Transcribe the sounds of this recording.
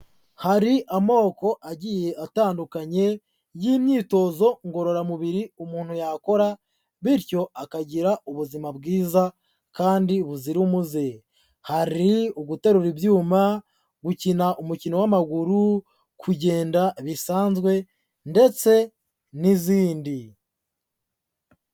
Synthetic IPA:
haɾiʔamo̞ːko̞ʔaɟije̞ʔataːndukaɲe̞ | jiːmɲiːto̞zo̞ŋɡo̞ɾo̞ɾamuβiɾiomuːn̥hujako̞ɾa | βiɾjo̞akaɟiɾauβuzimabɡiːza | kaːndiβuziɾumuze | haɾioɡute̞ɾuɾibjuːma | ɡucinaʔomucinowamaɡuɾu | kʰuɟe̞ːndaβisaːnzɡwe̞ | nde̞t͡se̞ | niziːndi

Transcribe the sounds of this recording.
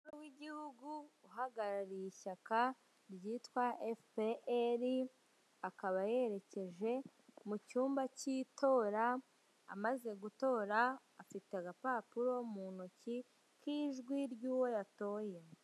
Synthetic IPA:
uɾuwiɟihuɡuːɦaɡaɾaɾijiʃaka | ɾɟiːtwaefpeeɾi | akaβaje̞ɾe̞ce̞ʒe̞ | mucuːmbacito̞ːɾa̰ː | maze̞ɡuto̞ːɾaː | fiteaɡapapuɾo̞munoci | kiːʒɡwiɾɟuːwo̞jato̞ːje

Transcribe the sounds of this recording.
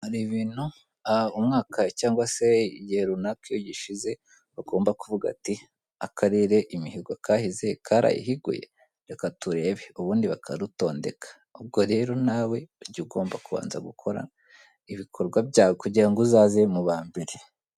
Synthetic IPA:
haɾiβiːnu | aumŋaːkʰacaːŋɡwase̞jeɾunakijoɟiʃize̞ | βaɡo̞ːmbakuvuɡa̰ti | akʰaɾiɾe̞ʔimiɦiɡakaːhizekʰaɾa̰jḭɦiɡṵjḛ | akatuɾe̞βeuβuːndiβakʰaɾuto̞ːnde̞kḁ | ub̚ɡo̞ɾe̞ɾonaːwe̞ɾɟiɡo̞ːmbakuβa̰ːnzaɡukʰo̞ɾa̰na | iβikʰo̞ɾɡwabɟaːwokuɟiɾaŋɡuzaːze̞muβaːmbe̞ɾe

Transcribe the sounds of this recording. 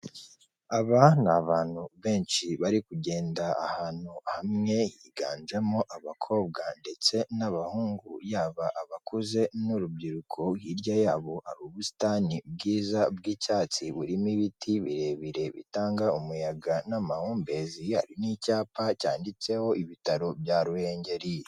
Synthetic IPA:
aβanaβaːn̥huβe̞ːnʃiβaɾikuɟe̞ːndaa̰haːn̥uhamŋe̞jiːɡa̰ːnd͡ʒe̞mo̞ʔaβakʰo̞ːb̚ɡande̞t͡se̞naβahuːŋɡujaːβaʔaβakuze̞nuɾubɟiɾukʰo̞wiɾjajaːβoʔaɾuβusi̥taːnibɡiːzab̚ɡiːcaːt͡siβuɾimiβitʰiβḭɾe̞βiɾe̞βḭtaːŋɡaumujaɡanamahuːmbeziha̰ɾinicaːpacaːndit͡se̞ho̞iβitaɾo̞bjaːɾuhe̞ːɲɟe̞ɾije

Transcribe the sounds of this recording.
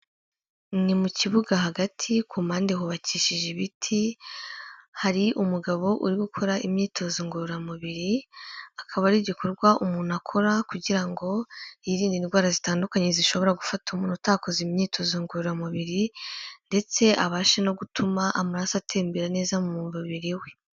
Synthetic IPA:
nimuciβuɡaɦaɡatʰikuːmaːndeɦoβaciːʃiʒeβitʰi | haɾiʔumuɡaβo̞ʔuɾiɡukʰo̞ɾaʔimɲiːtʰo̞ziŋɡuɾuɾamuβiɾiakʰaβaɾiɟiko̞ɾɡwaʔumuːn̥akʰo̞ɾakuɟiɾaŋɡo̞iɾiːndinɡwaːɾazitaːndukaɲe̞ziʃo̞βo̞ɾaɡufatumuːnutaːko̞zimɲiːtʰo̞ziŋɡuɾuɾamuβiɾinde̞t͡se̞ʔaβaːʃeno̞ɡutʰumaʔamaɾaːsatʰeːmbeɾane̞ːzamumuːmvuβiɾiwe̞

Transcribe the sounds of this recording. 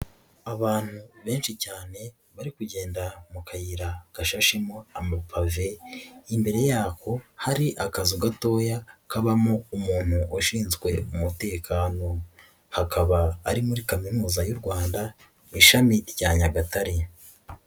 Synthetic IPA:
aβaːn̥huβe̞ːnʃicaːne̞ | βaɾikuɟe̞ːndamukʰajiɾaɡ̥aʃaʃimo̞amapʰave̞imbe̞ɾe̞jaːko̞haɾiʔakaziɡato̞ːjakaβamoumuːn̥huʔoʃiːnzɡwe̞umute̞ːkʰaːno̞ | hakʰaβaːɾimuɾikaminuːzajuɾɡwaːnda | iʃamiɾɟaːɲaɡataɾe

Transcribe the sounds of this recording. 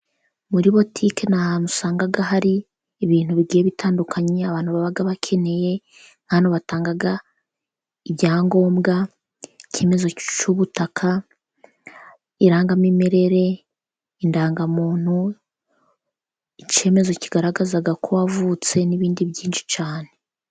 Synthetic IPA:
muɾiβo̞tʰikenahanusaːŋɡaɡaɦaɾiː | βiːn̥huβiɡiːjeβitaːndukʰaɲeaβaːnhuβaβaɡaβakʰe̞ne̞je̞ | ŋ̥anoβataːŋɡaɡa | ibɟaːŋɡo̞ːmɡa | ice̞me̞zo̞t͡ʃuβutakʰa | iɾaːŋɡamimeɾe̞ɾe̞ | indaːŋɡamuːn̥hu | ice̞me̞zo̞ciɡaɾaɡazaɡakʰowavut͡se̞niβiːndiβɟiːnʃi̥t͡ʃaːne̞

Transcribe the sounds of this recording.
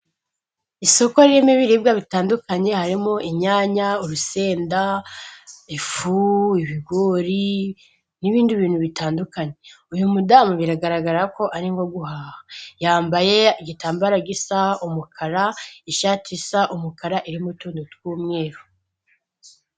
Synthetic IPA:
iso̞ko̞ɾiɾimiβiɾibɡaβitaːndukaɲe̞haɾimoʔiɲɲaːɲauɾuse̞ːnda | ifuiβiɡo̞ːɾi | niβiːndiβiːnhuβitaːndukaɲe̞ujumudaːmuβiɾaɡaɾaɡaɾako̞ʔaɾiŋɡo̞ɡuhaːhajaːmbaje̞iɡitaːmbaɾaɡisaumukʰaɾaiʃaːtʰisaʔumukaɾaʔiɾimotuːndutkuːmŋe̞ːɾo

